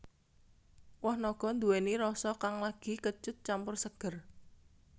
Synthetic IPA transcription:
wɔhnɔɡ̥ɔ̤nd̪uweniɾɔsɔkaŋlaɡ̥i̤kət͡ʃʊt̪̚t͡ʃampʊrsəɡ̥ər

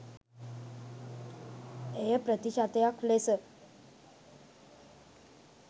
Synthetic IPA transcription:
ejəpɾət̪iɕat̪ejakʰlesə

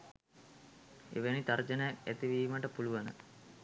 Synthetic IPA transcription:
ḛʋenit̪aɾd͡ʒənəjakæt̪iʋiːməʈəpuluʋanə̰

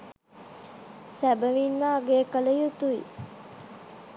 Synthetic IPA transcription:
sæbəʋinʋaːɡeːkələjut̪uḭ

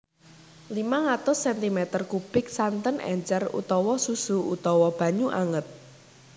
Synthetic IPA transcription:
limaŋat̪ʊsːɛnt̪imɛt̪ərkub̥ɪk̚sant̪ənʔɛ̰ɲt͡ʃərṵt̪ɔwɔsusuut̪ɔwɔb̥ä̤ɲuʔaŋət̪̚

